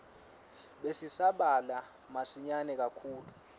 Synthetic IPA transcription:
ɓesisaɓala | masiɲanɛk̬akʰuːlu

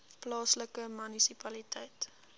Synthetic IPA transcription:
plɑːsləkəmynisipɐlitʰɛjt

